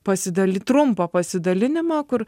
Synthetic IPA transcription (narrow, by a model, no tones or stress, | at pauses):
pɐsʲɪd̪ɐlʲɪt̪ɾʊmpɐpɐsʲɪd̪ɐlʲɪnʲɪmɑːkʊɾ